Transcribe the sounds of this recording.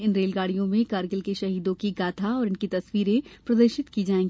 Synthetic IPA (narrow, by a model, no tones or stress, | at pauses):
ɪnɾeːlɡaːɽijõmẽkaːɾɡəlkeʃɐɦiːd̪õkiɡaːt̪ʰaɔːɾɪnkit̪ɐswiːɾẽpɾɐd̪əɾʃɪt̪kid͡ʒaːẽːŋɡi